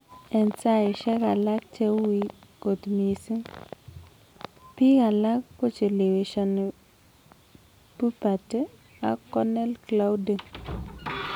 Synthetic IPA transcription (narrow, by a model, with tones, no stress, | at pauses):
ɛ˨nsa˦ɪ˨ʃɛ˦ka˨la˦k̚t͡ʃe˦wwi˦ɡo˨tmi˨si˦ | pi˦ka˨la˦kkːo˦t͡ʃo˨le˨we˨ʃɔ˨n | pu˦pa˨te˦ | a˦kɔ˦nɛ˦lkla˦wdi˨ŋ